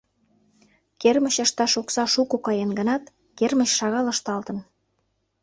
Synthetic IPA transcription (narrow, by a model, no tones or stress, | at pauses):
kermə̆ɕəʃt̪ɑʃoksɑʃukokɑjenɡənɑt̪ | kerməɕʃɑɣɑlə̆ʃt̪ɑlt̪ə̆n